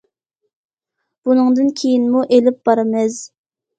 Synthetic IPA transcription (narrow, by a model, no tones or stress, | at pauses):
b̥unɨŋd̪ɨnkʲʰejinmuʔelɪp̚bɑɾɨmɪz